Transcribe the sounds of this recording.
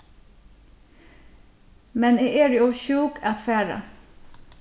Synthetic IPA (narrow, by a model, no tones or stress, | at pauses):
mɛneːeːɖeɔːçuːkʰɑt̪fæːɹə̰